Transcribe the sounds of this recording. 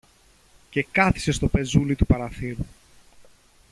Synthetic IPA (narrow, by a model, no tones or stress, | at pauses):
ce̞kɐθi̥se̞st̪o̞pe̞zulit̪upɐɾɐθiɾu